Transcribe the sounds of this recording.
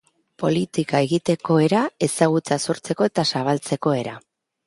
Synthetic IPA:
po̞lit̪ikae̞ɣit̪e̞ko̞e̞ɾae̞saɣ̞ut͡saso̞ɾt͡se̞ko̞e̞t̪asaβ̞alt͡se̞ko̞e̞ɾa

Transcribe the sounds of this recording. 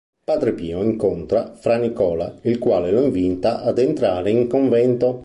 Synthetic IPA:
paːd̪ɾepiːoiŋkont̪ɾafɾanikɔːla̰ilkwaːleloiɱvint̪aʔad̪ent̪ɾaːɾeiŋkoɱvɛnt̪o

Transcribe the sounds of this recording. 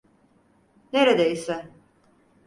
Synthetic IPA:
neɾed̪eisɛ

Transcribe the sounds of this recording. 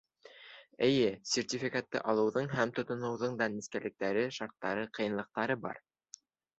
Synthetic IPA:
ɘ̆jɘsʲertʲifʲikat̪ːɤ̰ʔɑlˠɤ̆wðɤɴɦæmt̪ŏt̪ŏnɤ̆wðɤɴd̪ɑniskælɘ̆k̚t̪æɾɘʃɑɾt̪ːɑɾɤqʰɤ̆jɤ̆nlˠɤ̆q̚t̪ɑɾɤbɑ̰ɾ

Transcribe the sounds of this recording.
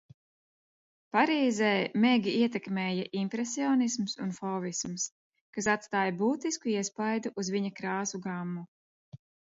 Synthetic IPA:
paɾiːzɛːmeɡʲiiɛt̪̬ɛkmɛːjaʔimpɾɛsiɔːnismsunfɔːvisms | kas̬at̪st̪aːjabuːt̪iskuiɛspajd̪uʔuzviɲakɾaːsuɡamːu

